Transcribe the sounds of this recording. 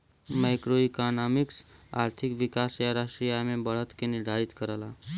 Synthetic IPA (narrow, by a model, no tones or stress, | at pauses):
maɪkɾoikanaːmɪksa̰ːɾt̪ʰɪkʋɪkaːsjaɾəʃʈɾijamẽbəɽ̤ət̪kenɪɾd̪ʱaːɾɪt̪kəɾəlaː